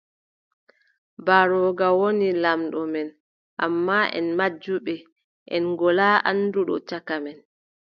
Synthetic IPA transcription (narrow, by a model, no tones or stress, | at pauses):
baɾɔːɡawonilamɗɔmɛn | ʔamːaʔɛ̰nmad͡ʒːuɓɛ | ʔɛ̰nɡɔlaːʔa̰nːduɗɔ̰t͡ʃakamɛn